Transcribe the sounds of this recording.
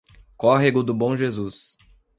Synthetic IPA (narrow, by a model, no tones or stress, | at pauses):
kɔɦeɡʊd̪ʊbõw̃ʒezus